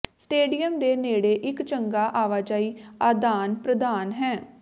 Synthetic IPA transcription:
sʈeːɖijəmd̪eːneːɽeːʔɪkt͡ʃəŋɡaːʔaːʋaːd͡ʒaːiːaːd̪aːnpɾəd̪aːnɦɛ̃ː

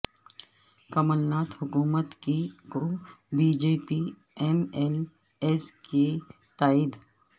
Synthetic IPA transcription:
kɐməlnaːt̪hʊkuːmət̪kiɡubiːd͡ʒeːpi | ɛmɛl | eske | t̪aːɪd̪

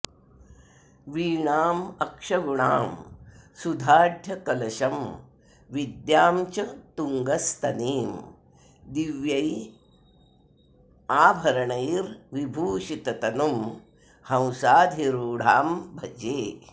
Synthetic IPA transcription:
ʋiːɳaːmɐkʂɐɡuɳa̰ːmsud̪ʱaːd̪ʱjɐkɐlɐʃɐm | ʋid̪jaːmt͡ʃɐt̪uŋɡɐst̪ɐneːm | d̪iʋjɐj | aːbʱɐɾɐɳɐjɾʋibʱuːʃit̪ɐt̪ɐnum | hɐ̃w̃saːd̪ʱiɾuːɽ̤aːmbʱɐd͡ʒeː

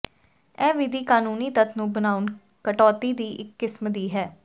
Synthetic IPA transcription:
ɛːʋɪd̪iːkaːnuːniːt̪ət̪ʰnũːbənaːʊn | kəʈɔːt̪iːd̪iːʔɪkːɪsmd̪iːɦɛː

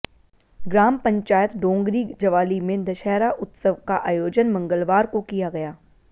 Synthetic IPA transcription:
ɡɾaːmpɐ̃ɲt͡ʃaːjət̪ɖõːŋɡɾid͡ʒɐʋaːlimẽd̪ɐʃɛːɾaʔʊt̪səʋkaʔaːjoːd͡ʒənmɐ̃ŋɡəlʋaːɾkokijaɡɐjaː

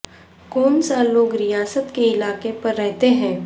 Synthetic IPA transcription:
kɔːnsalːoːɡɾijaːsət̪keɪlaːkepɐɾːɛɦt̪eɦɛ̃ː

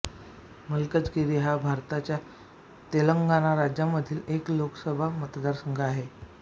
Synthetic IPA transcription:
məlkət͡sɡiɾiɦabʱaɾt̪at͡ɕja | t̪eləŋɡanaɾad͡ʑjaməd̪ʱiːlekloksəbʱamət̪d̪aɾsəŋɡʱaaɦe

